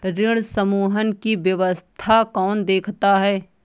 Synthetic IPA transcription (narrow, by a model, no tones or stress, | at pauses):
ɾɪɽ̃səmuːɦənkiʋjɐʋəst̪ʰakɔːnd̪eːkʰt̪aɦɛː